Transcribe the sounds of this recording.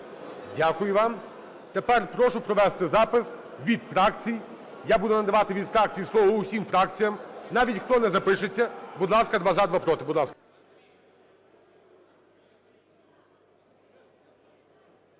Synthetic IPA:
dʲakʊjʊʋɑm | t̪epɛrpɾɔʃʊpɾɔʋɛst̪ɪzɑpɪs | ʋʲid̪fɾɑkt͡sʲij | jabud̪ʊnɐd̪ɐʋɑt̪ɪʋʲid̪fɾɑk̚t͡sʲijislˠɔʋɐʊsʲimfɾɑk̚t͡sʲijɐmnɑʋʲitʲxt̪ɔnɛzɐpɪʃɪt͡sʲːɐbud̪lˠɑskɐd̪ʋɑzɑd̪ʋapɾɔt̪ɪbʊd̪lˠɑskɐ̥

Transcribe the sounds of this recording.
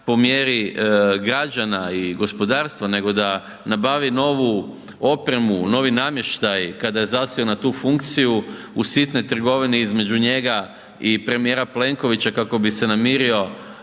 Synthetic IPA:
po̞mje̞ɾiɡɾad͡ʒanaiɡo̞spo̞d̪aːɾst̪ʋane̞ɡo̞d̪a | nabaʋino̞ʋu | o̞pɾe̞muno̞ʋinamje̞ʃt̪ajkad̪aje̞zasionat̪uːfuŋkt̪siju | usit̪no̞jt̪r̩ɡo̞ʋineizme̞d͡ʒuɲe̞ɡa | ipɾe̞mije̞ɾaple̞ŋko̞ʋit͡ɕakako̞bise̞namiɾio̞

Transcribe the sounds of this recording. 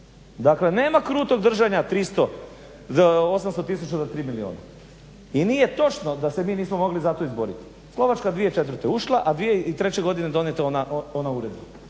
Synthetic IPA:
d̪akle̞ne̞ːmakɾuːt̪o̞ɡd̪r̩ʒaɲat̪ɾist̪o̞ | o̞samst̪o̞t̪is̬ut͡ʃazat̪ɾiːmilioːna̰ | iniːje̞t̪o̞t͡ʃno̞d̪ase̞miːniːsmomo̞ɡlizat̪o̞izbo̞ɾḭt̪i̥ | slˠo̞ʋat͡ʃkad̪ʋije̞t͡ʃe̞t̪̬ʋɾ̩t̪e̞uʃlˠaʔad̪ʋije̞it̪ɾe̞t͡ɕe̞ɡo̞d̪ined̪o̞net̪anaonauɾe̞d̪ba

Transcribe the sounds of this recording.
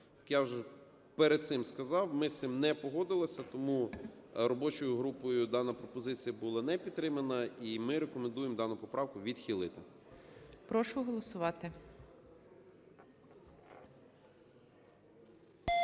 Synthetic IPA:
ɐkjawʒɛ | peɾed̪̚t̪sɪmskɐzɑwmɪst̪ɪmnɛpɔɦɔd̪ɪlˠɐsʲɐt̪ɔmuɾɔbɔt͡ʃɔjʊɦɾupɔjʊd̪ɑnɐpɾɔpɔzɪt͡sʲijɐbʊlˠɑnɛpʲid̪t̪ɾɪmɐnɐimɪɾekɔmẽnd̪ujemd̪ɑnʊpɔpɾʔɑwkʊʋʲid̪xʲilˠɪt̪ɪ | pɾɔʃʊɦɔlˠɔsʊʋɑt̪ɪ

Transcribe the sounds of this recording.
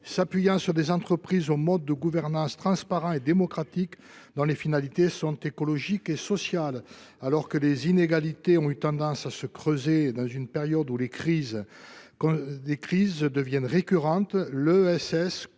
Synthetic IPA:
sapɥijɑ̃syʁd̪ezɑ̃t̪χəpχizomɔd̪ːəɡuvɛʁnɑ̃st̪χɑ̃spaʁɑ̃ed̪emɔkχat̪ik | d̪ɔ̃lefinalit̪esɔ̃t̪ekɔlɔʒikesɔsjalalɔʁkəlezineɡalit̪eɔ̃yt̪ɑ̃d̪ɑ̃sasəkχøzed̪ɑ̃zynpeʁjɔd̪ulekχiz | ɔ̃lekχizd̪əvjɛnʁekʲyʁɑ̃t̪løɛsɛs

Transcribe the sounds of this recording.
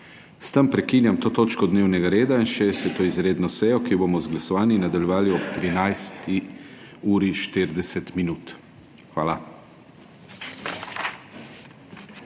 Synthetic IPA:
st̪əmpɾɛkiːnjamt̪oːt̪oːt͡ʃkɔd̪neːwnɛɡaɾeːd̪ainʃɛsɛt̪oːizɾeːd̪nɔsɛjɔkibomɔzɡlasɔʋaːninad̪aljɛʋaːliɔpt̪ɾinajst̪i | uːɾiʃt̪iɾd̪ɛsɛt̪minuːt̪ | xʋa̰ːla

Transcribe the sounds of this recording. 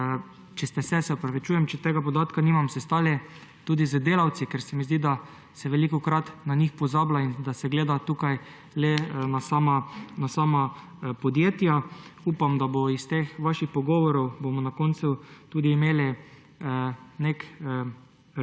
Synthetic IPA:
t͡ʃɛst̪ɛsɛsɛɔpɾɐʋit͡ʃuːjɛmt͡ʃɛt̪eːɡapɔd̪aːt̪kaniːmamsɛst̪aːljɛ | t̪uːd̪izəd̪eːlawt̪sikɛɾsɛmizd̪id̪a | sɛʋɛlikɔkɾat̪naɲixpɔzaːblaind̪asɛɡleːd̪at̪ukaj | lɛnasaːmanasaːma | pɔd̪jeːt̪jauːpamd̪aboist̪exʋaʃixpɔɡɔːʋɔɾɔwbomɔnakont̪sut̪uːd̪iːmeːli | nek

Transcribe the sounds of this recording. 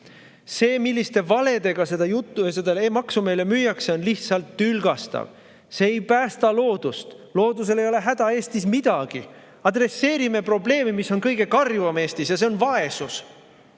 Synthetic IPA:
se̞ːmilʲːist̪e̞vɑle̞d̪e̞ɡ̥ɑse̞d̪ɑjut̪ːˑsed̪eleːmɑksume̞ːle̞myːjɑkseo̞nliht̪sɑlt̪ːylɡ̥ɑst̪ɑ̰v | se̞ːjpæːst̪ɑlo̞ːd̪̥ust̪ | lo̞ːd̪us̬e̞le̞jo̞le̞ɦæd̪̥ɑe̞ːst̪ismid̪̥ɑɡ̥i | ɑd̪re̞sːe̞ːɾime̞pro̞ble̞ːmimisːo̞nkɤjɡ̥e̞kɑrjvɑme̞ːst̪isjɑs̬e̞o̞nvɑe̞sus

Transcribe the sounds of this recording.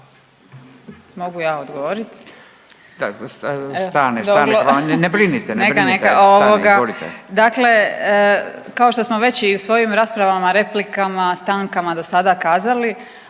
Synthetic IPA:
mo̞ɡujaːod̪ɡoʋoɾit̪ | d̪asst̪anesoalonebɾinit̪enekanekaoʋoɡaoɾit̪d̪akle̞ | kao̞ʃt̪o̞smo̞ʋe̞t͡ɕiusʋo̞jimɾaːspɾaʋamaɾe̞plikamast̪aːŋkamad̪o̞sad̪aːkaːzali

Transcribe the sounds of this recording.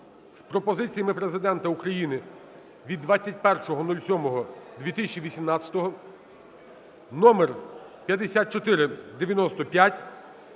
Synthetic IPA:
spɾɔpɔzɪt͡sʲijɐmɪpɾe̞zɪd̪ɛnt̪ɐukɾɐjinɪ | ʋʲid̪ːʋat͡sʲːɐt̚ʲpɛrʃɔɦɔnulʲsʲɔmɔɦɔd̪ʲʋʲit̪ɪsʲt͡ʃiʋʲisʲimnɑt͡sʲɐ̥t̪ɔɦɔ | nɔmerpʲjɐd̪esʲat̪̚t͡ʃɔt̪ɪɾɪd̪eʋʲjɐnɔst̪ɔpʲjatʲ

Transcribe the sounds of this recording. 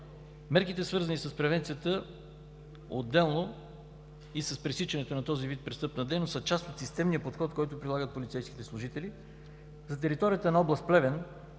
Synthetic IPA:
mɛɾkit̪ɛsvɤɾzənisɐspɾɛvɛnt̪siət̪ə | od̪ːɛlˠno | isɐspɾisit͡ʃɛnɛt̪onɐt̪ɔzivit̪̚pɾɛst̪ɤpnɐd̪ɛjnosət͡ʃast̪ot̪sist̪ɛmnijəpot̪xɔt̪kɔjt̪ʊpɾilˠaɡət̪̚polʲit̪sɛjsk̟i̥t̪ɛslˠʊʒit̪ɛli | zɐt̪ɛɾit̪ɔɾijət̪ənɐɔblˠɐst̪̚plɛvɛn

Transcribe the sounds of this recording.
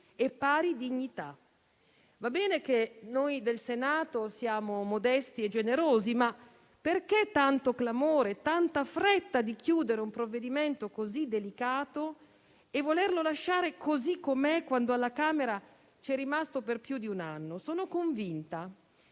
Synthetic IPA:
epːaːɾid̪iɲːit̪a | vabːɛːnek̟enojd̪elsenaːt̪osjaːmomod̪ɛst̪ied͡ʒːeneɾoːzima | perk̟et̪ːant̪oklamoːɾet̪ːant̪afɾet̪ːad̪ikjuːd̪eɾeumpɾovːed̪iment̪okozid̪ːelikaːt̪o | evːolerlolaʃːaːɾekozikːomɛkːwand̪oalːakaːmeɾa | t͡ʃɛrːimast̪operpjud̪iunanːosoːnokoɱvint̪a

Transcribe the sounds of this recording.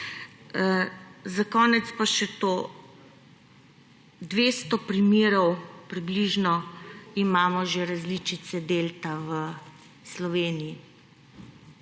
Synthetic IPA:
zakɔːnɛt̪spaʃɛt̪oː | d̪ʋeːst̪ɔpɾimeːɾɔwpɾibliʒnɔimaːmɔʒeɾazlit͡ʃit̪sɛd̪eːlt̪awə | slɔʋeːnii

